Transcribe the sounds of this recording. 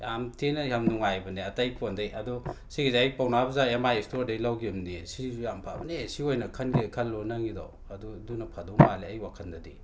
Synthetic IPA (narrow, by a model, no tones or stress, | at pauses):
jamtʰenɐjamnuŋajbɐneatajkʰondajʔɐdɔsiɡizajpawnabɐzajamajistoɾdajlawɡimnesijampʰa̰bɐnesiojnɐkʰɐnɡikʰɐlːɔnaŋida̰w | ɐdɔdunɐpʰadɔwmaleajwakʰɐndɐdi